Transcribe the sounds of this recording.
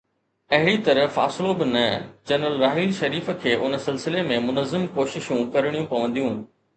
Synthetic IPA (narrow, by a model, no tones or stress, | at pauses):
ɐɦɪɽit̪ɐɾəfa̰ːsɪlobɪnɐd͡ʑɐnɾəlɾaːɦɪlʃɐɾiːfə̆kʰeːʔʊnəsɪlsɪlemẽmʊnəzɪmkoːʃɪʃũkɐɾɪɽ̃jũpɐʋə̃nd̪ijũɦnɪ̆